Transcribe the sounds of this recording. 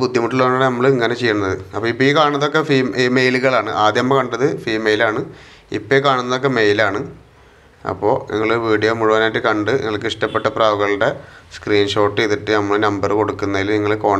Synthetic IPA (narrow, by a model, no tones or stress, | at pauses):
bud̪ʱːjɐmuʈːiloɐːɳːanɐmːɐɭiŋːɐne̞t͡ɕejːɐnnːɐðɨɐpːoːipːoikaːɳnɐðo̞kːefiːmːmejluɣɐɭaːɳɨʔaːd̪jɐmːɐkɐɳɖɐðɨfiːmejilaːɳɨ | ḭpːekaːɳunːɐðo̞k̬ːe̞mejlaːɳɨ | ɐ̰pːo̞ːnʔḭŋːɐɭɨʋiːɽijoːmuɻuʋɐnaːjiʈːɨkɐɳɖɨnḭŋːɐɭkːɨiʂʈɐpːeʈːɐpraːʋɐɣɐɭuɽe̞skriːnʂo̞ːʈːɨeðiʈːɨnɐmːɐɭɨnɐmbɐrɨko̞ɽukːunːɐilniŋːɐɭko̞ːɳ